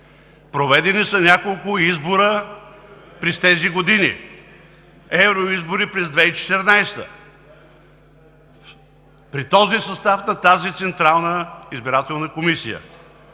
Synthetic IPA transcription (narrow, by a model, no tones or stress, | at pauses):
pɾovɛd̪ɛnisɐnʲakolˠkʊizboɾə | pɾɛst̪ɛziɡod̪inḭ | ɛvɾoizboɾipɾɛzd̪vɛit͡ʃɛ̥t̪ɛɾnajst̪ə̰ | pɾit̪ɔzisɐst̪afnɐt̪azit̪sɛnt̪ɾalˠnəizbiɾat̪ɛlˠnəkomisijə̰